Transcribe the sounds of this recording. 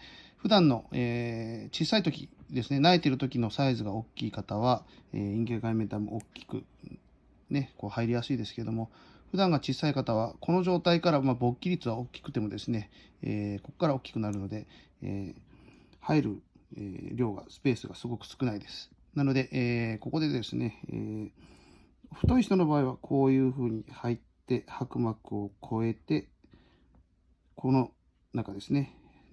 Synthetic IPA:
ɸɯ̟d̪ãnːo̞eːt͡ɕiːsait̪o̞kʲḭd̪e̞sɨne̞naet̪e̞ɾɯ̟t̪o̞kʲino̞saizɨɡaokʲːiːkat̪aβ̞aeːĩŋɡʲeɡaime̞nt̪amo̰okʲːi̥kɯ̟̰ | ne̞ko̞ːhaiɾʲijasɨid̪esɨ̥ke̞ɾe̞d̪o̞mo̞ | ɸɯ̟d̪ãŋɡat͡ɕiːsaikat̪aβ̞ako̞no̞ʑo̞ːt̪aikaɾamabo̞kʲːiɾʲit͡sɨβao̞kʲːi̥kɯ̟̥t̪e̞mo̞d̪e̞sɨne̞ | eːko̞kkːaɾao̞kʲːi̥kɯ̟naɾɯ̟no̞d̪e̞ | eː | haiɾɯ̟̰ | ɾʲo̞ːɡa̰sɨ̥pe̞ːsɨɡasɨɡo̞kɯ̟̥sɨ̥kɯ̟naid̪e̞sɨ̥ | nano̞d̪e̞ʔeːko̞ko̞d̪e̞d̪e̞sɨne̞ḛː | ɸɯ̟̥t̪o̞içit̪o̞nobaːiβakʰo̞ːjɯ̟ːɸɯ̟ːɲ̟ihait̪ːe̞hakɯ̟makɯ̟o̞kʰo̞e̞t̪e̞ | kʰo̞no̞ | nakad̪e̞sɨne̞

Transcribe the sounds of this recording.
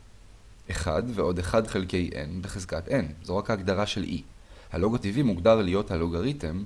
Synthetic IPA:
ʔe̞χa̰d̪veo̞de̞χad̪χe̞lke̞jʔe̞̰nbeχezkat̪ʔe̞nzoʁakaːɡd̪aʁaʃe̞lʔḭ | halo̞ɡativimuɡdaʁlijo̞thaloɡaʁitem

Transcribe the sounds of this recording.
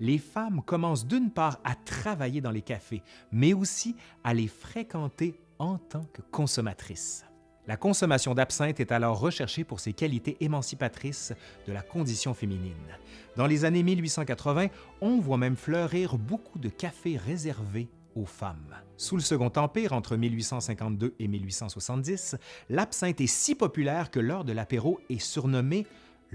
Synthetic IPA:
lefamkɔmɑ̃s̬d̪ynpaːʁat̪χavajed̪ɑ̃lekʲafemɛosialefχekɑ̃t̪e | ɑ̃t̪ɑ̃kkːɔ̃sɔmat̪χis | lakɔ̃sɔmasjɔ̃d̪apsɛ̃t̪ɛt̪alɔʁːəʃɛʁʃepuʁsekʲalit̪eʔemɑ̃sipat̪χisd̪əlakɔ̃d̪isjɔ̃feminin | d̪ɑ̃lezanemilɥisɑ̃kat̪χəvɛ̃ | ɔ̃vwamɛ̃mflœʁiːʁbokʰud̪əkʲafeʁezɛʁve | ofam | suləsəɡɔ̃t̪ɑ̃piːʁɑ̃t̪χəmilɥisɑ̃sɛ̃kɑ̃t̪̚d̪øemilɥisɑ̃swasɑ̃t̪̚d̪islapsɛ̃t̪ɛsipɔpylɛːʁkəlœːʁd̪əlapeʁoɛsyʁnɔme

